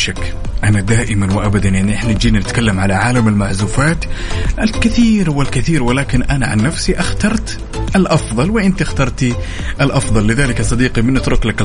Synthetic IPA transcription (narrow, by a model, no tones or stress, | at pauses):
ʃakː | ʔanad̪aːʔɪmanwɪʔabad̪anjaʕniʔɪħnad͡ʒiːnanɪt̪kalːamʕalaʕaːlamɪlmaʕzuːfaːt̪ʔalkɪθiːɾwɪlkɪθiːɾwɪlaːkɪnʔanaʕa̰nːafsiʔaxt̪ɑɾˤt̪ | ʔalʔɑfðˤɑlwɪʔɪnt̪iaxt̪ɑɾˤt̪i | ʔɪlʔɑfðˤɑlːɪðaːlɪkɑsˤɑd̪iːqimɪnʔɪt̪ɾʊklak